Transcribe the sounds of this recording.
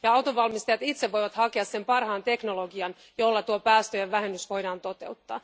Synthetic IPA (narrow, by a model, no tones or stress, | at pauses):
jɑɑwt̪oʋʋɑlmist̪ɑjɑt̪it̪seʋʋojʋɑt̪hɑkeɑssempɑrhɑːnt̪e̞knoloɡiɑn | jo̞lːɑt̪uopæːst̪øjeʋːæɦenːysʋo̞jɾɑːnt̪o̞t̪e̞ut̪ːɑ̰ː